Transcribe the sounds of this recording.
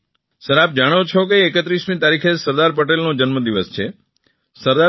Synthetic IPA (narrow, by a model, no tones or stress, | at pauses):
səɾap̚d͡ʒaɽ̃ot͡ʃʰokeːkət̪ɾismĩt̪aɾikʰesəɾd̪aɾp̬əʈ̬elnõd͡ʒənməd̪iʋəst͡ʃʰe | səɾd̪a